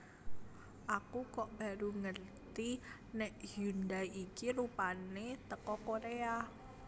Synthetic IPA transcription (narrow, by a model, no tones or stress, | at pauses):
ʔakukɔʔb̥a̤ɾuŋərt̪i | nɛʔhund̪ajikilupanet̪əkɔkoɾea